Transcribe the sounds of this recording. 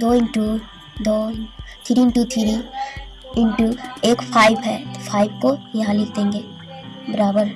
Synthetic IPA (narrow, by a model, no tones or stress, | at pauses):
d̪oːɪ̃ɳʈu | d̪oːɪt̪ʰɪɾiɪ̃ɳʈut̪ʰiɾi | ɪ̃ɳʈueːkpʰaːɪbɦɛfʰaːɪbkojɐɦãlɪkʰt̪eẽːŋɡeː | bɐɾaːbəɾ